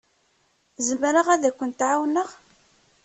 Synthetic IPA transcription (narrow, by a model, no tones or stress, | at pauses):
zəmɾəʁæðækʷːənt̪ʕawnəʁ